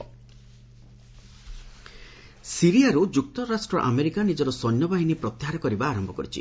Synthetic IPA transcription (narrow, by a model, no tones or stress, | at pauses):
siɾijaɾud͡ʒuk̚t̪ɔɾasʈɾɔʔa̰meɾikanid͡ʒɔɾɔsɔnjɔbaɦinipɾɔt̪ːiɦaɾɔkɔɾibaːɾɔmbʱɔkɔɾit͡ʃʰḭ